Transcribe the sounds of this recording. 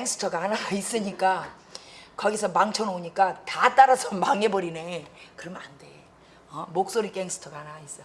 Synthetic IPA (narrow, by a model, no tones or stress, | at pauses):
keŋsʰɯ̥tʰʌɡanais͈ɯɲik͈a | kʌɡisʰʌmaŋt͡ɕʰʌnoɲik͈atat͈aɾasʰʌmaŋe̞bʌɾine̞kɯɾʌmande̞ | ʌmok̚s͈oɾik͈eŋsʰɯ̥tʰʌɡanais͈ʌ